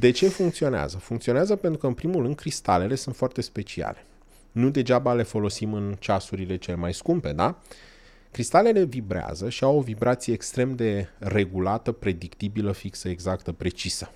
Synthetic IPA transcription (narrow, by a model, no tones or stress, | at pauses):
d̪e̞t͡ʃe̞fuŋkt̪sio̞nea̰zəfuŋkt̪sioneazəpe̞nt̪ɾukəɨnpɾimulrɨnd̪̚kɾist̪a̰le̞le̞sunt̪foart̪e̞spe̞t͡ʃia̰le̞̥ | nud̪e̞d͡ʒabale̞fo̞lo̞simɨnt͡ʃasuɾile̞t͡ʃe̞le̞majskumpe̞d̪a | kɾist̪ale̞le̞vibɾea̰zəʃiawo̞vibɾat̪sije̞ːkst̪ɾe̞md̪e̞re̞ɡulat̪əpɾe̞d̪ikt̪ibiləfiksəeɡzakt̪əpɾe̞t͡ʃisə